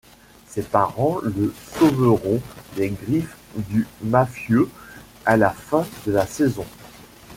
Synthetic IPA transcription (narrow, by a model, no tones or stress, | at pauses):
sɛpaʁɑ̃ləsovəʁɔ̃d̪ɛɡʁif | d̪ymafjø | alafɛ̃d̪əlasɛzɔ̃